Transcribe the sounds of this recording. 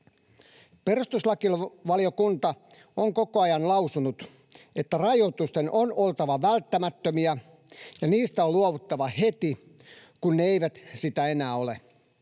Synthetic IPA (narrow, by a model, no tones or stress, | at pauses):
pe̞rust̪uslɑkilʋɑliokunt̪ɑ | oŋko̞koɑjɑnlɑusunut̪ | e̞t̪ːærɑjot̪ust̪enʔono̞lt̪ɑʋɑʋælt̪ːæmæt̪ːømiæ | jɑniːst̪æoluoʋut̪ːɑʋɑhet̪i | kunːeejʋæt̪sit̪æe̞næːo̞le